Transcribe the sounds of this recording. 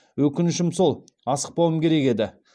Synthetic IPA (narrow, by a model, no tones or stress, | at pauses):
wɵkʲɪnɪʃɪmso̞lˠ | ɑsə̥q̚pɑwəmkʲʰe̞ɾe̞ke̞d̪ɪ